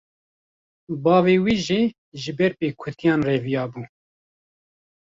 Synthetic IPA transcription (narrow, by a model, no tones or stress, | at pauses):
bɑːveːwiːʒiː | ʒɪbɛɾpeːkʰʊt̪ijɑːnreːvijɑːbuː